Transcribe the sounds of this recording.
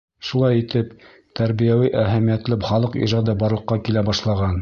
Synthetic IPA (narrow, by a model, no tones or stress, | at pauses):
ʃulˠɑjit̪ɘp | t̪æɾβijæwiʔæɦæmijæt̪lɘpχɑlˠɤqḭʒɑd̪ɤbɑɾlˠɤ̆qːɑkilæbɑʃlˠɑʁɑn